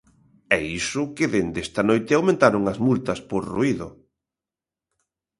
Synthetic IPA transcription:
ɛisʊkɪðend̪est̪ɐnojt̪ɪawmẽnt̪aɾʊŋɐzmult̪ɐspoɾruiðʊ

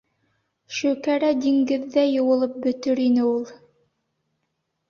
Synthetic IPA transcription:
ʃɵ̆kæɾæd̪iŋɡɘðːæjɤ̆wɤ̆lˠɤp̚bɵ̆t̪ɵɾinɘulˠ

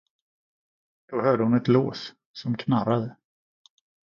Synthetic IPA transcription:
d̪̥ɔhœːɖəhʊnɛt̪loːs | sɔmkʰnaɾad̪ə

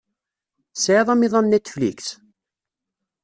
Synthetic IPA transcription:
sʕiðˤɑmiðˤɑnnæt͡s̪ːflḭkθ

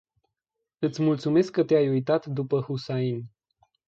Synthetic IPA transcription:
ɨt̪sʲmult̪sume̞skːət̪eajujt̪at̪d̪upəhusain

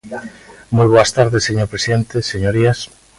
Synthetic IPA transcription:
mujβ̞oast̪aɾðeseɲoɾpɾesiðent̪eseɲoɾias

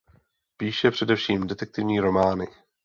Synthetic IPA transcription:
piːʃɛpr̝̥ɛdɛfʃiːmdɛt̪ɛk̚t̪ɪvɲiːɾo̞maːnɪ

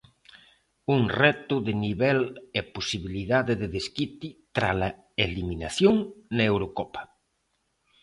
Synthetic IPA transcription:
uŋrɛt̪ʊðɪniβɛlɛposiβiliðaðɪðɪðeskit̪it̪ɾalɐ | eliminaθjoŋnɐewɾokɔpɐ̥

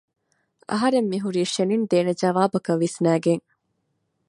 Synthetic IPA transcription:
ʔɐ̰ɦɐɾemːiɦuɾiːʃenind̪eːned͡ʒɐʋaːbɐkɐʋːisnæːɡeŋ

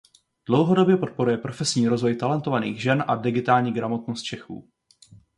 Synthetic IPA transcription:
d̥lo̞wɦo̞do̞bjɛpo̞t̪̚po̞ɾujɛpɾo̞fɛsɲiːɾo̞zvo̞jt̪alɛnt̪o̞vaniːɣʒɛnʔadɪɡɪt̪aːlɲiːɡɾamo̞t̪nost̪̚t͡ʃɛxṵː

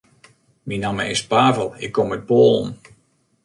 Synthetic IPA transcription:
minaməɪspaːvəlˠɪkːɔmɛt̚boːlˠn

